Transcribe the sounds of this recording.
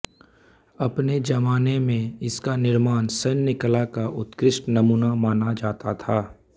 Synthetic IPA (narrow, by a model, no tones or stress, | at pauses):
ɐpned͡ʒɐmaːnemẽɪskanɪɾmaːnsɐnːɪklakaʔʊt̪kɾɪʃʈnɐmuːnamaːnad͡ʒaːt̪at̪ʰaː